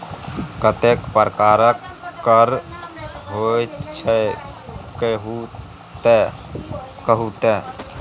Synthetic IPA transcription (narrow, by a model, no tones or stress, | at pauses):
kət̪ekpəɾkaɾəkːəɾ | ɦojt͡ʃʰɛ | kɦ | e | kəɦut̪e